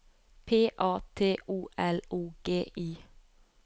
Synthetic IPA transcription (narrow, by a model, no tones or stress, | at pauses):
pʰeːʔɑːt̪ʰeːʔuːʔɛluːɡ̥eːʔiː